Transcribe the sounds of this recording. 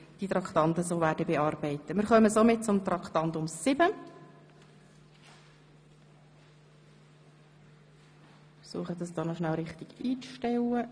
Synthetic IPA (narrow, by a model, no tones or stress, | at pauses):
d̥it̪ɾɑkt̪ɑnt̪əsoːʋæːɾdəbeɑːrbɛɪt̪ːəmɪːɾχœməsoːmɪt̚t͡sʊmt̪ɾɑkχt̪ɑnt̪ʊmsɪb̥ə | suəχədɑsd̥ɔːnɔʃnælɾɪχtɪɡ̥iːt͡sʃtɛlːə